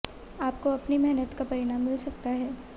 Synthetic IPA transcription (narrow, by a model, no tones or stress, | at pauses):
aːp̚koɐpnimɛɦnət̪kapɐɾɪɽ̃aːmːɪlsɐk̚t̪aɦɛː